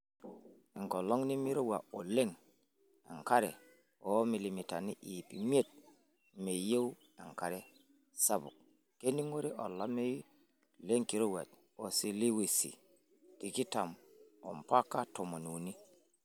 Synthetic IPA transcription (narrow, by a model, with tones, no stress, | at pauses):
e˨ŋko˨lo˦ŋni˦mi˦ɾo˦wa˨o˨le˦ŋ | ḛ˨ŋka˦ɾḛ˨ | o˦mi˨li˨mi˨ta˨ni˦ʔi˨pi˨mi˦e˦t̚ | me˨je˦w | e˨ŋka˨ɾe˦ | sa˨bṵ˨k̚ | ke˦ni˦ŋo˦ɾe˦ʔo̰˨lːa˦me˦ | le˦ŋki˨ɾo˦wa̰˨t | o˨si˦li˦wi˨sḭ˨ | ki˨ki˦ta˨mo̰˨mpa˦kːa˦to˨mo˨nu˨ni˦